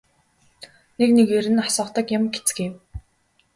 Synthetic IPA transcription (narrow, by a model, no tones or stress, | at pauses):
neknekeɾɘ̆nasə̆ːχt̪ə̆kjamɡet͡s̆ɡew